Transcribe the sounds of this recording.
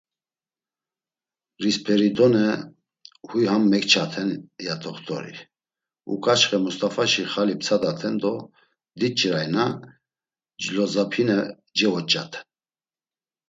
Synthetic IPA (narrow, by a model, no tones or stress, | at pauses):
rispʰɛɾid̪ɔnə | hujhamːɛkt͡ʃʰat̪ʰɛnjat̪ʰɔχt̪ʰɔ̰ɾḭ | ṵkʼat͡ʃχɛmust̪afaʃiχalip̚t͡sʰad̪at̪ʰɛnd̪ɔ | d̪it͡ʃʼɛɾajna | d͡ʒlɔzapʰinɛ | d͡ʒɛvɔt͡ʃʼa̰t̪ʰ